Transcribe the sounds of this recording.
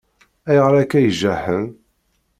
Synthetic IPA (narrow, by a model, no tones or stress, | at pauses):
æjʁɾækːæjʒæħən